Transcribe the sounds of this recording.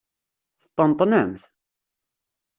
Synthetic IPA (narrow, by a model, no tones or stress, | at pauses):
θə̥t̪ˤːənt̪ˤːnəmθ